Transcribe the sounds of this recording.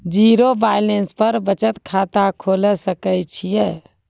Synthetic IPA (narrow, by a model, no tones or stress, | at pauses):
d͡ʒiɾobajlenspəɾbət͡ʃət̪kʰat̪akʰoləsəkəjt͡ʃʰijɛ